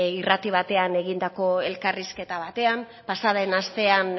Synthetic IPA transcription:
irat̪iβ̞at̪e̞ane̞ɣind̪ako̞e̞lkariske̞t̪aβat̪e̞am | pasaðe̞nast̪e̞an

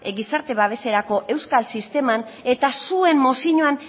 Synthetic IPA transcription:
ɡisaɾt̪e̞βaβe̞se̞ɾako̞ʔe̞wskalsist̪e̞mane̞t̪asue̞mːo̞siɲoan

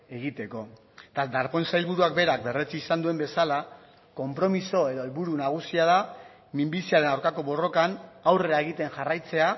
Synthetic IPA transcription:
e̞ɣit̪e̞ko̞ | t̪ad̪aɾpo̞nsajlβuɾuak̚be̞ɾak̚be̞ret͡siːsand̪ue̞mbe̞sala | ko̞mpɾo̞miso̞e̞ðo̞elβuɾunaɣ̞usiað̞a | mimbisiaɾe̞nawɾkako̞βo̞ro̞kanawre̞ɾaeɣ̞it̪e̞nʝarajt͡se̞a

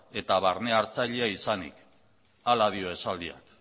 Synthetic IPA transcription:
e̞t̪aβaɾne̞aɾt͡saʎeaisanḭk | alað̞io̞e̞sald̪ia̰k

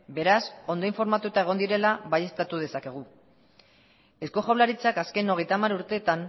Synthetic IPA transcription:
be̞ɾaso̞nd̪o̞iɱfo̞ɾmat̪ut̪ae̞ɣ̞o̞nd̪iɾe̞laβaje̞st̪at̪uð̞e̞sake̞ɣ̞u | e̞sko̞χoβlaɾit͡sakaskeno̞ɣ̞e̞jt̪amaɾuɾt̪e̞ːt̪an

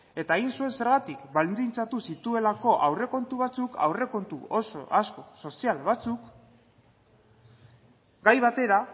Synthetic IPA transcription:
e̞t̪aeɣinsue̞nse̞ɾɣat̪ikbalnd̪int͡sat̪usit̪ue̞lako̞ʔawre̞ko̞nt̪uβ̞at͡sukʰa̰wre̞ko̞nt̪ṵo̞so̰ʔasko̞so̞sialβat͡suk | ɡajβat̪e̞ɾa

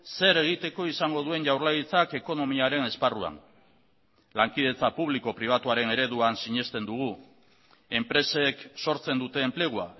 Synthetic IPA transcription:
se̞ɾeɣit̪e̞ko̞isaŋɡo̞ðue̞ɲʝawɾlajit͡sake̞ko̞no̞miaɾe̞ne̞sparua̰n | laŋkið̞e̞t͡sapuβ̞liko̞pɾiβ̞at̪uaɾe̞ne̞ɾe̞ðuansiɲe̞st̪e̞nd̪uɣ̞u | e̞mpɾe̞se̞kso̞ɾt͡se̞nd̪ut̪e̞ːmple̞ɣ̞ua̰

